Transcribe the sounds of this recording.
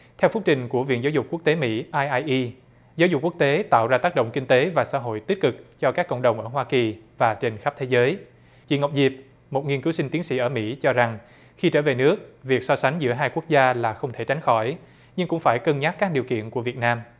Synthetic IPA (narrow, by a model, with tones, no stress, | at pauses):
t̪ʰɛ˧wfʊ˦˥k̚t͡ɕï˨˩ŋ̟ku˧˩əvḭ˧˨ənzaː˨˦wzʊ˨˩k͡p̚ku˦˥k̚t̪e˨˦mḭ˧˥ʔaː˧jʔaː˧jʔi˧ | za˨˦wzʊ˨˩k͡p̚ku˦˥k̚t̪e˨˦t̪a̰ː˧˨wzaː˧t̪aː˦˥k̚ɗə̰˧˨ŋ͡mkï˧ŋ̟t̪e˨˦vaː˨˩sa̰ː˧˥ɦo̰˧˨jt̪i˦˥t̚kɨ˨˩k̚t͡ɕɔ˧kaː˦˥kːə̰˧˨wŋ͡mɗə˨˩wŋ͡mʔəː˧˩ɦwaː˧ki˨˩vaː˨˩t͡ɕe˧nxə˦˥p̚t̪ʰe˨˦zəː˨˦j | t͡ɕḭ˧˩˦ŋə˨˩wk͡p̚zi˨˩p̚ | mo˨˩t̚ŋi˧ənkɨ˨˦wsï˧ŋ̟t̪i˨˦ənsḭ˧˥ʔəː˧˩mḭ˧˥t͡ɕɔ˧za˨˩ŋ | xi˧t͡ɕəː˧˩ve˨˩nɨ˦˥ək̚vi˨˩ək̚sɔ˧sa˨˦jŋ̟zɨ̰˧˥əɦaː˧jku˦˥k̚zaː˧laː˨˩xə˧wŋ͡mt̪ʰe˧˩t͡ɕa˨˦jŋ̟xɔ˧˩j | ɲɨ˧ŋkʊ̰˧˥ŋ͡mfaː˧˩jkə˧nɲaː˦˥k̚kaː˦˥k̚ɗi˨əwkḭ˧˨ənku˧˩əvi˨˩ət̚naː˧m